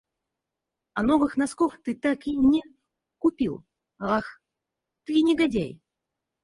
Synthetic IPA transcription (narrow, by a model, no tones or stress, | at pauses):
ɐnɔvɨxnɐskɔxt̪ɨt̪akinʲɛ | kʊpʲilˠ | ax | t̪ɨnʲɪɡadʲæ̰j